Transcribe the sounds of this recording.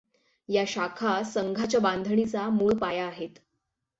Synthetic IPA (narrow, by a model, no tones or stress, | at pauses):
jaɕakʰasəŋɡʱat͡ɕjabãnd̪ʱɳit͡samuɭpajaːɦet̪